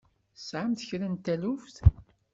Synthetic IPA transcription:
sʕamθəçɾænt̪ːælufθ

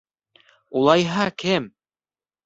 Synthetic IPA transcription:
ulˠɑjɦɑkɘm

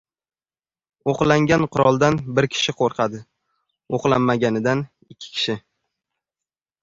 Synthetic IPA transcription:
oqlaŋɡʲanqʰʊɾɒlˠd̪anbɪɾkʲʰɪ̥ʃɪqʰoɾqʰɑd̪ɪ | oqlˠamːaɡʲanɪd̪an | ɪkʲʰːɪ̥kʲʰɪ̥ʃɪ

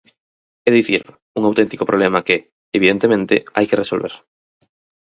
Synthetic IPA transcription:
eðiθḭɾ | uŋawt̪ent̪i̥kopɾoβlemɐkeː | βiðent̪emẽnt̪ɪ̰a̰jkeresolβḛɾ

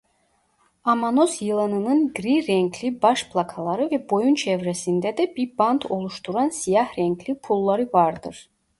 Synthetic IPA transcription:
amanosjɯlˠɯnɯnɯnɡɾiɾɛŋklʲibɑʃpʰlˠɑkʰɑlˠɑɾɯvɛbo̞junt͡ʃʰɛvɾɛsind̪ɛd̪ɛbiɾbɑnd̪ʰo̞lˠuʃt̪ʰuɾɑnsijɑhɾɛŋklipʰulˠːɑɾɯvɑɾd̪ɯɾ̥

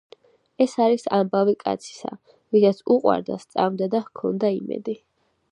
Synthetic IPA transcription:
ɛsaɾisambavikʼa̰t̪sʰi̥sa̰ | vid̪at̪sʰuqʼwa̰ɾd̪a̰st̪sʼavmd̪ad̪ahkʰɔnd̪aḭmɛ̰d̪i

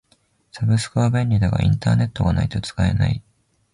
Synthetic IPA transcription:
sabɯ̟sɨ̥kɯβabẽ̞ɲʲːid̪aɡa̰ʔḭ̃nt̪aːne̞t̪ːo̞ɡanait̪o̞t͡sɨ̥kae̞̰na̰i

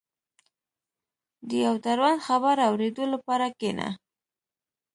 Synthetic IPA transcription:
d̪əjawt̪aɾwand̪xabaɾawɾed̪olapɑɾakena̰

